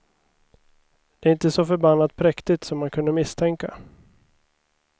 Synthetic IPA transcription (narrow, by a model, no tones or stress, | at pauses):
d̪̥ɛːɾɪnt̪əsɔfœɾbanːat̪̚pʰɾɛkt̪ɪt̪sɔmːankʰɵnd̪əmɪst̪ʰɛŋka